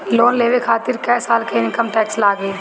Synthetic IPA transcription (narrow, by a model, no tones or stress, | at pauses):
loːnleːʋekʰaːt̪ɪɾkɛːsaːlkeɪnkəmʈɛːkslaːɡeː